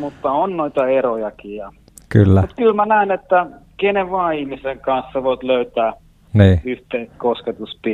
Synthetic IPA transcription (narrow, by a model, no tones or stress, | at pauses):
mut̪ːɑonnoit̪ɑerojɑkijɑ | kylːæut̪kylmænæˑinet̪ːækeneʋʋɑːihmiseŋkɑnsseʋoit̪løyt̪æː | niːyht̪eist̪kosket̪uspi